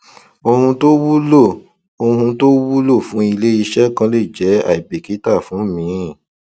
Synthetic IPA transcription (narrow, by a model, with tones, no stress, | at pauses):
o˧hũ˧to˦wu˦lo˦˨ | o˧hũ˧to˦wu˦lo˦˨fũ˨˦i˧le˦i˧ʃɛ˦kã˧˦le˦˨d͡ʒɛ˨˦a̰˦˨i˨be˨ki˨˦ta˦˨fũ˨˦mĩ˨˦˨